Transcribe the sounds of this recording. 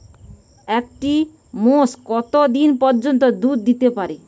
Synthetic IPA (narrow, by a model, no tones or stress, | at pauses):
ek̚ʈi | moskɔt̪od̪inpɔɾd͡ʑont̪̬od̪ud̪ːit̪epaɾi